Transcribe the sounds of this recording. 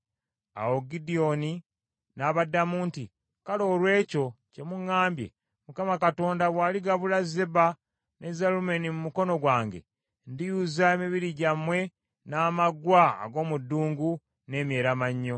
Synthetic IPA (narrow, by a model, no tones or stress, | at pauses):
a̰wo̞ɡidio̞ni | naːβadːamuːnti | kalo̞ːlwe̞ːco̞ce̞muŋːaːmbje̞̰ | mukamakato̞ːndaβwaːliɡaβulaze̞ba | ne̞zalumenimumuko̞no̞ɡwaːŋɡe̞̰ | ndijuzaemiβiɾiɟamwe̞ | naːmaɡwaa̰ɡo̞ːmudːuːŋɡu | ne̞ːmje̞ːɾamaɲːo̞